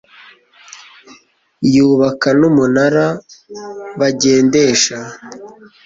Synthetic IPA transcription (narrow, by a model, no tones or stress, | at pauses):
juːβakanumunaɾa | βaɟe̞ːnde̞ːʃa